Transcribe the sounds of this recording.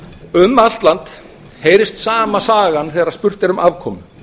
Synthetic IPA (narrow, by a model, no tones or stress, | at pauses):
ʏmal̥t̪lant̪ | heːjɾɪst̪saːmasaːɣanθɛːɣɾað̥spʏr̥t̪ɪɾʏmʔavkʰɔːmʏ